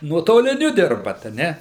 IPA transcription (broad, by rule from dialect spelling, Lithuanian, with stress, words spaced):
nuɔtoːlʲɪˈnʲʊ ˈdʲɪrbɐt ɐ ˈnʲɛ